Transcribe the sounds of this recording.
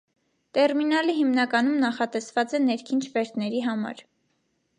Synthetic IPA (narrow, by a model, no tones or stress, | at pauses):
t̪ɛrminɑliɦimnɑkɑnumnɑχɑt̪ɛsvɑt͡sɛnɛɾkʰint͡ʃʰvɛɾt̪ʰnɛɾiɦɑmɑ̰ɾ